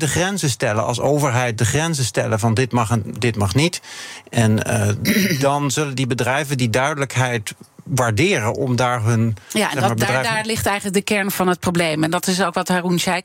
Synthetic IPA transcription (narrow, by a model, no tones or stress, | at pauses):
dəχrɛnzəstɛləɑ̰lˠsowvəɹɦɛjt̚dəχrɛnzəstɛləvɑndɪtmɑχdɪtmɑχnitʔɛn | dɑnzɵləndibədrɛjvəndidœɥdələkɦɛjtʋaːɹdɪːrənʔɔmdaːɹɦɵnja̰ɛmaːɹbədrɛjdaːɹlɪχtɛjχənlək̚dəkɛɹnvɑnɦət̚prowblejmɛndɑtɪsowkʋɑtɦarunsɛj